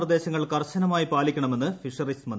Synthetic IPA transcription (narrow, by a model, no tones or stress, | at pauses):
rɐd̪e̞ːɕɐŋːɐɭkɐrɕɐnɐmaːjipaːlikʲːɐɳɐme̞nːɨfiʂɐrismɐn